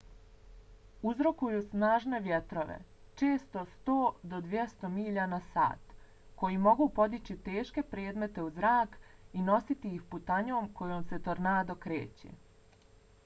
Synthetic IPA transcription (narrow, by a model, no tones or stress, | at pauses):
uzɾo̞kujusnaːʒne̞ʋjet̪ɾo̞ʋḛ | t͡ʃe̞ːst̪o̞st̪oːd̪o̞d̪ʋjest̪o̞miʎanasa̰ːt̪ | ko̞jimo̞ɡupo̞d̪it͡ɕit̪e̞ːʃke̞pɾeːd̪me̞t̪e̞uzɾaːkino̞sit̪iixput̪aɲoːmkʰo̞joːmse̞t̪o̞ɾnaːd̪okɾḛːt͡ɕḛ